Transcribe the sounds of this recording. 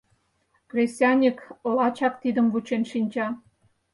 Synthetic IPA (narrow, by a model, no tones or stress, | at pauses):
krʲesʲɑnʲiklɑt͡ɕɑk̚t̪id̪əmvut͡ɕenʃinʲt͡ɕɑ